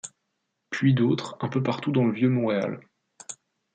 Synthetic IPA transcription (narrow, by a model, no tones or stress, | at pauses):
pʰɥid̪ot̪χɛ̃pøpaʁt̪ud̪ɑ̃ləvjømɔ̃ʁea̰l